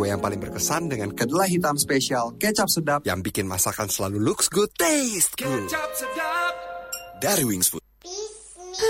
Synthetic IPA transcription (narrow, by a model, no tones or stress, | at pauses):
ajaŋpalɪŋbərkəsandəŋankədalahɦit̪amspesialkɛt͡ʃap̚sədap̚jaŋbikɪnmasakansəlaluluksɡud̪̚t̪est̪ɡuap̚sədap̚daɾiwiŋsfut̪̚